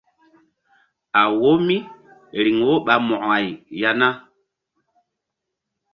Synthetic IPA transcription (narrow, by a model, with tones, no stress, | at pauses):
a˨wo˦mi˦ | ɾi˨ŋwo˦ɓa˨mɔ˨ʔa˨jja˦na˦